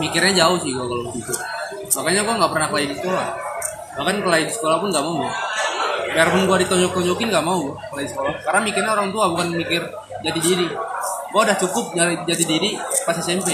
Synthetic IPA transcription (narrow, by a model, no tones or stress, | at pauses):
mikɪrɲad͡ʒaʊhsɪhɡuakalotit̪u | makajɲaɡuaŋɡapərnahkəlaidisə̥kolah | bakankəlaidisə̥kolahpʊnɡaʔmauɡa | bɛarpʊnɡuadit̪ɔɲd͡ʒɔk̚t̪ɔɲd͡ʒɔkɪnŋɡaʔmauɡkəlaidisə̥kolakaɾnamikɪrɲaɔɾaŋt̪uabukanmikɪr | d͡ʒadidiɾiɡuaudaht͡ʃukʊp̚d͡ʒad͡ʒadidiɾipasasɛmpɛ